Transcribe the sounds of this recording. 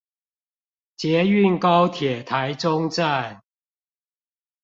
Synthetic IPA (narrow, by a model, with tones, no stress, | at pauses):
t͡ɕjɛ˨˦y˥˨nkɑ˦ʊt̪ʰjɛ˨˩t̪ʰa˨˦ɪʈ͡ʂʊ˦ŋt͡sa˥˨n